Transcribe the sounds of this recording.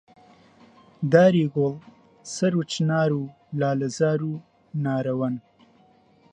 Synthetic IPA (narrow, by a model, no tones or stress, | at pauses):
d̪aːɾiɡol | sɐɾut͡ʃnɑːɾu | lɑːlazaːɾu | naːɾɐwɐn